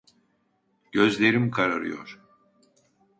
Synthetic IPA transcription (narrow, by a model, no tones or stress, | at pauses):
ɟ̥øzlʲeɾimkʰaɾaɾɯ̰jo̰ɾ̥